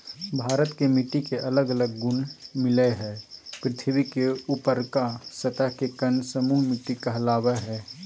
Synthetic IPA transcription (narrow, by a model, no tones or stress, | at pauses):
bʱaːɾət̪kemiʈikeʔələɡələɡːʊnmɪleɦɛːpɾɪt̪ʰibikeuːpəɾkasət̪əɦkekənsəmuːɦmɪʈːikəɦlaːweɦɛː